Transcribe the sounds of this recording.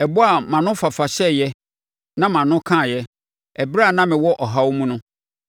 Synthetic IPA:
ɛ˨bʊ˦a˨mã˨nʊ̃˦fa˨fa˨ɕɛ˦jɛ˦ | nã˦mã˨nʊ̃˦kʰã˦˨jɛ˦ | ɛ˨bɾa˦a˨nã˦mɪ̃˨wɔ˦ʔɔ˨ɦa˦wmũ˦nʊ̃˦

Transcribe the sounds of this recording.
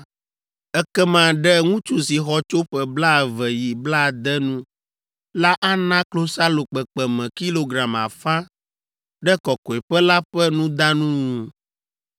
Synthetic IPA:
ɛ˦kɛ˦mã˨ɖɛ˦ŋũ˦t͡ʃu˦si˨xɔ˦t͡ʃo˦ɸɛ˨bla˦˨vɛ˨ji˨bla˦˨d̪ɛ˦nũ˦ | la˦ʔa˦nã˦klo˦sa˦lo˨k͡pɛ˨k͡pɛ˨mɛ̃˨ki˦lo˨ɡɾa˨ma̰˨fã˦ | ɖɛ˦kɔ˨kɔ˨ɛ˨ɸɛ˦la˦ɸɛ˦nũ˦d̪a˦nũ˦u˨

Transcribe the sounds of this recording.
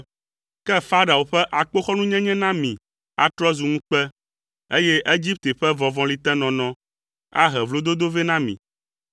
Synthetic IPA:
kɛ˦fa˦ɖa˨o˨ɸɛ˦ʔa˨k͡po˦xɔ˦nũ˦ɲɛ̃˦ɲɛ̃˦nã˦mĩ˨ | a˨t̪ɾɔ˦zu˨ŋũ˦k͡pɛ˦ | e˦jɛ˦ʔe˦d͡ʑi˦p̚t̪e˨ɸɛ˦vɔ̃˨vɔ̃˨li˨t̪ɛ̃˦nɔ̃˨nɔ̃˦ | a̰˦ɦɛ˨vlo˦d̪o˦d̪o˦ve˦nã˦mḭ̃˨

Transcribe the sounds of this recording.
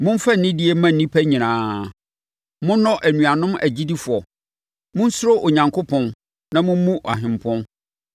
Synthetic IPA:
mʊ̃˦m̩˦fa˦n̩˨nɪ̃˦di˦e˦mã˦n̩˨nĩ˦pʰæ˦ɲĩ˨nãː˦ | mʊ̃˦nɔ̃˦ʔæ˨nũ˨a˨nʊ̃˦mæ̰˨d͡ʑi˦di˦fʊ˨ɔ˨ | mʊ̃˦n̩˦sʊ˦ɾo˦ʔo˨ɲã˨ŋkʰʊ˦pʰɔ̃˦n | nã˦mʊ̃˦m˦mũ˦ʔa̰˨ɦɪ̃˨m˨pʰɔ̃˦n

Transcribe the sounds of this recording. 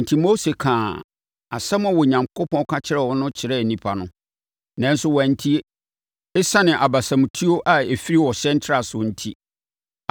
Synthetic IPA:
n̩˨tʰi˦mo˦se˨kʰãː˨ | a̰˨sɛ˦m˦ã˨wɔ˨ɲã˨ŋkʰʊ˦pʰɔ̃˦kʰa˦t͡ɕʰɪ˦ɾɛ˦˨wɔ˦nʊ̃˦t͡ɕʰɪ˨ɾɛ˦˨nĩ˨pʰa˨nʊ̃˦ | nã˦n̩˦sʊ˦wæ˨n̩˦tʰi˦e˦ | e˦sã˦nɪ̃˨ʔa˨ba˨sã˨m̃˨tʰu˦o˦ʔa˨e˨fi˦ɾi˦wɔ˨ɕɛ̃˦n̩˦tʰɾa˨sʊ˨n̩˦tʰi˦

